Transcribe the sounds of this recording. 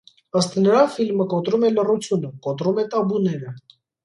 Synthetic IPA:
əst̪nəɾɑfilməkɔt̪ɾumɛlərut͡sʰjunəkɔt̪ɾumɛt̪ɑbunɛɾə

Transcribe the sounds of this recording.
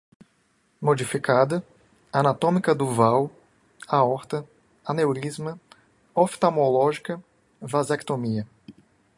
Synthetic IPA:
mod͡ʒifikad̪ɐ | anat̪õmikɐd̪ʊvaw | aɔɾt̪ɐ | anewɾizmɐ | oft̪amolɔʒikɐ | vazakt̪omiɐ

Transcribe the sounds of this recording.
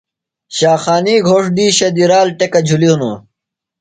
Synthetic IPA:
ɕaːxaːniːɡʱoːʂd̪iːɕɐd̪iɾaːlʈekɐd͡ʑʱuliɦuno

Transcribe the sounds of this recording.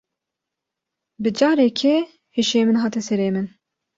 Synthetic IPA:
bɨd͡ʒɑːɾekʰɛ | heʃeːmɨnɦɑːt̪ɛsɛɾeːmɨn

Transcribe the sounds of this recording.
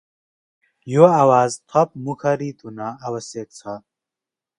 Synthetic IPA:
joawaːzt̪ʰɐp̚mukʰɐɾiːt̪ʰʼunaːwɐseːk̚t͡sʰa

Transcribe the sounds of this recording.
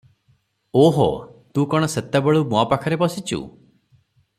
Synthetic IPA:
oɦo̰t̪ũkɔɽ̃ɔset̪abeɭumɔapakʰɔɾebɔsit͡ʃʰṵ

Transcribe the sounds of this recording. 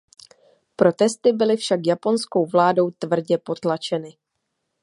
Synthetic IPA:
pɾo̞t̪ɛst̪ɪbɪlɪfʃakjapo̞nsko̞wvlaːdo̞wt̪vr̩ɟɛpo̞t̪lat͡ʃɛnɪ

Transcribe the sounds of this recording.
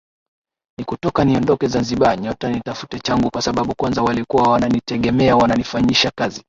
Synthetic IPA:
nikutɔkaniɔndɔkɛzanziɓaɲɔtanitafu̥tɛt͡ʃaŋɡukwasaɓaɓukwanzawalikuwawananitɛɠɛmɛawananifaɲiʃakazi

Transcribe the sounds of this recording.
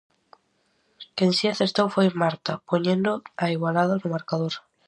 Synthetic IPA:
kensjiaθeɾt̪owfojmaɾt̪apoɲẽnd̪oaiɣwalaðanomaɾkaðoɾ

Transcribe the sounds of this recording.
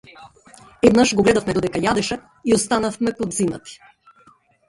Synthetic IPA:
ɛd̪naʃɡɔɡlɛd̪afmɛd̪od̪ɛkajad̪ɛʃɛ | iɔst̪anafmɛpod̪zina̰t̪i̥

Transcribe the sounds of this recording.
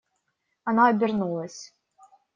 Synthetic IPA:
ɐnaɐbʲɪrnulˠɐsʲ

